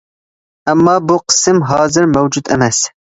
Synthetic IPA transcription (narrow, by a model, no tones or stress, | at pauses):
ɛmːɑːbuqʰə̥sɨmɦɑːzɨɾmɛwd͡ʒut̪ʰḛmɛs